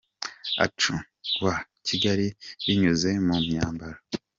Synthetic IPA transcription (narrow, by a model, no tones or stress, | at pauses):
a̰t͡ʃu | wa | ciɡaɾiɾiɲuze̞mumɲaːmbaɾa